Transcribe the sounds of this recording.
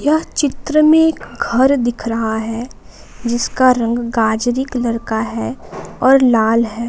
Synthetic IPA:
jɐɦt͡ʃɪt̪ɾəmẽeːkɡʱɐɾd̪ɪkʰɾɐɦaɦɛ | d͡ʒɪskaɾɐ̃ŋɡːaːd͡ʒɾɪklɐɾkaɦɛɔːɾlaːlɦɛː

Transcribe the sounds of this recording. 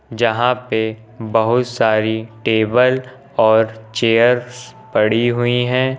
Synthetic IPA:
d͡ʒɐɦãpe | bɐɦʊt̪saːɾiʈeːbəl | ɔːɾt͡ʃeːəɾspɐɽiɦʊiɦɛ̃ː

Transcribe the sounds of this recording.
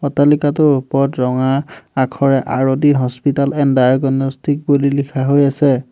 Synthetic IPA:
ɔtalikatʊɹupɔɹtɹɔŋaakʰɔɹɛʔaɹodiɦɔspitalɛndajɔɡɔnɔstʰik̚bulilikʰaɦojasɛ

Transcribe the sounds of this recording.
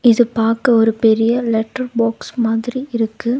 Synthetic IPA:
ɪðɯpaːɾkɐɔɾɯpɛɾɪjɐlɛʈːɐɾboːksmaːðɪɾiɪɾɯkːɯ

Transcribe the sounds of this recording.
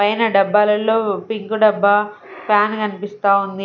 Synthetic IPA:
ɐjnɐɖɐbːaːlɐlːo̞ːpiŋkuɖɐbːɐ | paːnkɐnipist̪aːund̪i

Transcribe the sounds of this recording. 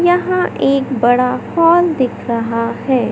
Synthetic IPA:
jɐɦãʔeːkbɐɽahɔːld̪ɪkʰɾɐɦahɛː

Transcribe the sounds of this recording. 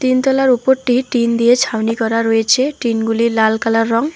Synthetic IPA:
t̪int̪ɔlaɾupoɾʈiʈind̪ijet͡ʃʰawnikɔɾaɾoet͡ɕʰeʈinɡulilalkalaɾːɔŋ

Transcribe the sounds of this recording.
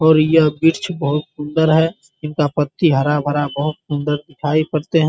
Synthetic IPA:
ɔːɾjɐbɪɾt͡ʃʰbəɦʊt̪sʊ̃nd̪əɾɦɛ | ɪnkapət̪ːiɦɐɾabʱəɾabəɦʊt̪sʊ̃nd̪əɾd̪ɪkʰaːipɐɾt̪eɦɛ̃

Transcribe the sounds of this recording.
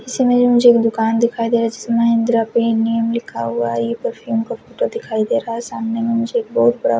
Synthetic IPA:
ɪsemẽd͡ʒõmʊd͡ʒʱeeːkd̪ʊkaːnd̪ɪkʰaːid̪eːɾaɦad͡ʒɪsemaɦɪ̃nd̪ɾapenijəmlɪkʰaɦuajepəɾfʰuːmkafʰoːʈod̪ɪkʰaːid̪eːɾaɦasaːmnemẽmʊd͡ʒʱeːk̚bɔːʊt̪̚bɐɽa̰

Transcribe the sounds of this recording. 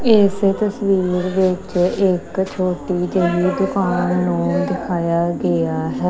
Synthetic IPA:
ɪst̪əsʋiːɾʋɪt͡ʃɪkt͡ʃʰoːʈiːd͡ʒeliːd̪ʊkaːnːũːd̪ɪkʰaːjaːɡeaːɦɛː

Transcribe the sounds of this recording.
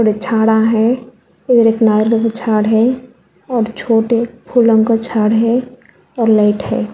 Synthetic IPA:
oɽet͡ʃʰaːɽaɦɛ̃ | ed̪əɾeknaːɾləkat͡ʃʰaːɽɦɛ̃ | ɔːɾt͡ʃʰoːʈepʰulə̃ŋkat͡ʃʰaːɽɦɛ̃ | ɔːɾlaɪʈhɛ̰̃ː

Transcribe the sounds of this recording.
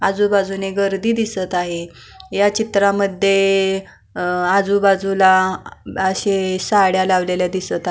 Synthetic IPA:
ad͡zubad͡zuneɡəɾd̪iːd̪isət̪aɦe | jat͡ɕit̪ɾaməd̪ʱːje | ad͡zubad͡zula | əɕesaɽjalaʋleljad̪isət̪a

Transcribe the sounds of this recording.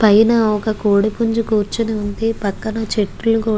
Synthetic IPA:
pɐjnɐɔkɐkoːɽipuɲd͡ʒukuːɾt͡ʃiniund̪ipɐkːɐnɐt͡ʃeʈːulukuː

